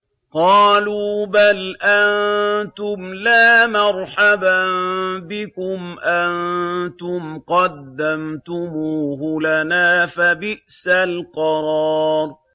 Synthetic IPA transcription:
qɑːluːbalʔant̪ʊmlaːmɑɾˤħababɪkʊmʔant̪ʊmqɑd̪ːamt̪ʊmuːɦʊlanaːfabɪʔsalqɑɾˤɑːɾ

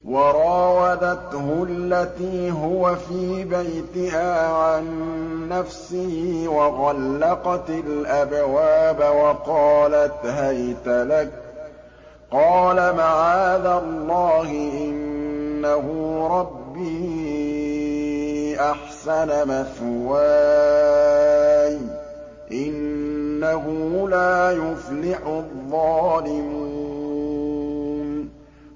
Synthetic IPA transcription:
wɑɾˤɑːwad̪at̪hʊlːat̪iːɦʊwafiːbajt̪ɪɦaːʕanːafsɪhːwɑɣɑlːɑqɑt̪ɪlʔabwaːbawɑqɑːlat̪ɦajt̪alak̚ | qɑːlamaʕaːd̪alˤːɑːhɪʔɪnːaɦʊɾˤɑbːiː | ʔaħsanamaθwa | j | ʔɪnːaɦʊlaːjʊflɪħʊðˤːɑːlɪmu | n

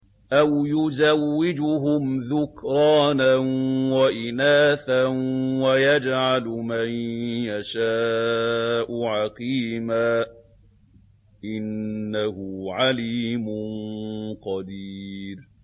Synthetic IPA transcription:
ʔawjʊzawːɪd͡ʒʊɦʊmðʊkɾɑːnanwaʔɪnaːθanwajad͡ʒʕalmanjaʃaː | ʔʊʕaqiːmaː | ʔɪnːahʊʕaliːmʊnqɑd̪iːɾ

